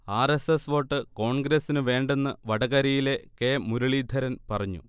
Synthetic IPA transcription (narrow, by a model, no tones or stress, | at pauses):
aːresesʋo̞ːʈːɨko̞ːɳɡɾesinɨʋe̞ːɳɖe̞nːɨʋɐɽɐɣɐɾijile̞ke̞ːmuɾuɭiːd̪ʱɐɾɐnpɐrɐɲːṵ